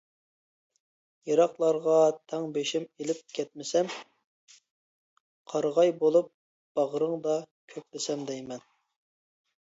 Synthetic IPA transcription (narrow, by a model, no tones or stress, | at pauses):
jɑɾɑqlˠɑɾʁɑt̪ʰɛŋbeʃɪmelɪp̚kʲʰɛt̪̚mɪsɛm | qʰɑɾʁɑjbolˠup̚ | b̥ɑʁəɾəŋd̪ɑkʲʰøk̚ʲbɪsɛmd̪ɛjmɛn